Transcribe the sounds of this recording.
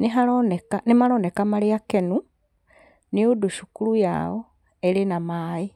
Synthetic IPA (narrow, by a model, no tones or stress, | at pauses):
niɦalonekanimalonekamaliakenu | nioduʃukuluja̰ːo | elinamaːi